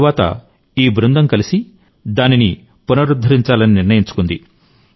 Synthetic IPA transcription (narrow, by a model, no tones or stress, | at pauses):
ʋaːt̪ɐ̰ | iːbɾund̪ɐmkɐlisi | d̪aːnini | punɐɾud̪ʱːɐɾiɲt͡ʃaːlɐniniɾnɐjiɲt͡ʃu̥kund̪i